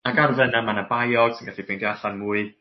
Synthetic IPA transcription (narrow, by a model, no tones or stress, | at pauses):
aɡarvɛnanmanabajɔɡ̥sɪnɡaɬibendjaɬanmuːɨ